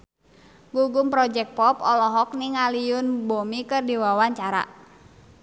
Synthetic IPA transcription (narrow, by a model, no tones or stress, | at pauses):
ɡuɡʊmpɾɔd͡ʒɛk̚pɔpɔlɔɦɔk̚niŋaliʊnbomikɨrdiwawaɲt͡ʃaɾa̰ʔ